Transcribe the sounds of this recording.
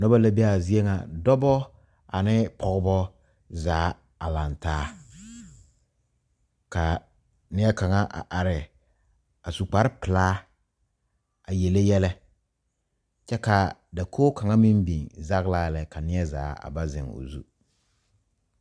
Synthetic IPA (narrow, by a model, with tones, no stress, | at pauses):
nɔ˦ba˦la˦be˦a˨zi˦e˦ŋa̰˨dɔ˦bɔ˦ | a̰˨nɪ˦pʰɔ˨ɣbɔ˦ | zaː˨˦ | a˨la˨ntaː˦ | ka˨ | nɪ˦ɛ˦ka˨ŋa˦ʔa̰˨ʔa˨ɾɪ˨ | a˨su˨k͡pa˨ɾɪ˦pɪ˨laː˦ | a˨jɛ˨le˦jɛ˦lɛ˦ | t͡ʃɛ˦ka˨da˨kʰoː˦ka˨ŋa˦mi˦mbi˨ŋza˦ɣla˦˨lɛ˨ka˨nɪ˦ɛ˦za̰ː˨˦a̰˨ba˦zɪ̰˨ŋo̰˨zṵ˦